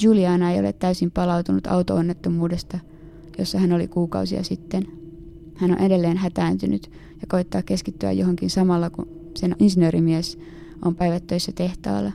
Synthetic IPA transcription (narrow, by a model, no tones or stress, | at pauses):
juliɑːnɑe̞jo̞lḛt̪ːæysimpɑlɑwt̪unut̪ɑ̰wt̪oonːet̪ːomuːde̞st̪ɑ | jo̞̰sːɑɦæno̞lḭkuːkɑ̰wsiɑ̰sit̪ːen | hænonʔe̞de̞lːe̞ːnɦæt̪æːnt̪ynyt̪ | jɑko̞it̪ːɑːkːe̞skit̪ːyæ̰joɦo̞ŋkinsɑmɑlːɑku | seninsinøːɾimies | ʔo̞mpæijʋæt̪ːøisːæt̪e̞ht̪ɑ̰ːlːɑ